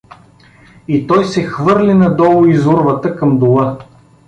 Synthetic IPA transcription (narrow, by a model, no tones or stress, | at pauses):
it̪ɔjsɛxvɤɾlʲinɐd̪ɔlˠʊizuɾvət̪əkɐmd̪ʊlˠɤ